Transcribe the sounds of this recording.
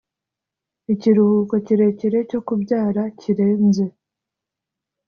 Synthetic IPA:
iciɾuhuːko̞ciɾe̞ceɾe̞co̞kubɟaːɾaciɾe̞ːnze̞

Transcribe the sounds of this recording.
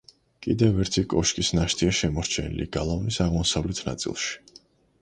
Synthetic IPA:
kʼid̪ɛvɛɾt̪ʰikʼɔʃkʼisnaʃt̪ʰiaʃɛmɔɾt͡ʃʰɛnḭlḭɡ̥alˠavnisaʁmɔsavlɛt̪ʰna̰t̪sʼḭlˠʃi̥

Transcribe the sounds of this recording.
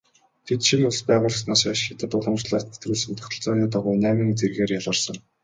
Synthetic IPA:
t̪ʰet̪ʃinʊɮspæːʁʊːɮə̆snaːsaːʃxɪt̪ə̆t̪ʊɮə̆msɮaːt̪ʰe̥t̪ɾuːɮsɘ̆nt̪ʰɔ̥xt̪ɵ̆ɮt͡sɔːɣʲiːt̪aʁʊːjnæːmĭŋt͡serɣeːrjaɮə̆rsə̆ŋ

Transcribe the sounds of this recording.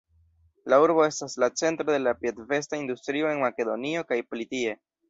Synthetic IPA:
lauɾbo̞e̞staslat͡se̞ntɾo̞d̪e̞lapjetve̞staind̪ustɾio̞e̞nmake̞d̪o̞̰nio̞kajpolitie̞

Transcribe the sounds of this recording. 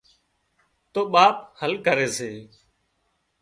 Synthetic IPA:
t̪oːɓaːphəlkəɾeːseː

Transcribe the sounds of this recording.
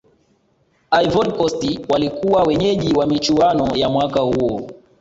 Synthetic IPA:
ajvɔdkɔstiwalikuwawɛɲɛʄiwamit͡ʃuanɔjamwakahuɔ

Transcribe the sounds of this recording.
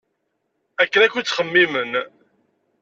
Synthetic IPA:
ækːənækʷːit͡sːχəmːimən

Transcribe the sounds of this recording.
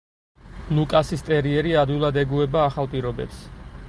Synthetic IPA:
lˠukʼasist̪ʼɛɾiɛɾiad̪ilˠad̪ɛɡuɛbaːχalˠpʼiɾɔbɛ̰ps

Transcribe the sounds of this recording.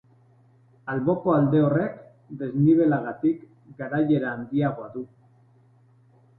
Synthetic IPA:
alβo̞ko̞ald̪e̞o̞re̞k | d̪e̞zniβ̞e̞laɣat̪ik | ɡaɾaje̞ɾaːnd̪iaɣ̞oaðu

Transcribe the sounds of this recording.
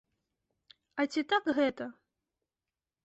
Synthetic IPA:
ɐt͡sʲit̪akɣɛt̪ɐ

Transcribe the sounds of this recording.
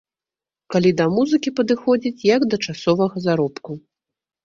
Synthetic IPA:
kalʲid̪ɐmuzɨkʲipɐd̪ɨxɔd͡zʲit͡sʲjɐɡd̪ɐt͡ʂasɔvɐɣɐzaɾɔpku

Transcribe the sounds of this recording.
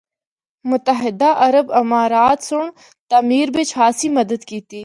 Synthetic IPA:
mʊt̪əɦɪd̪aʔɐɾəbɪmaːɾaːt̪sʊɳ | t̪aːmiːɾbɪt͡ʃʰhaːsiːmɐd̪əd̪kiːt̪iː

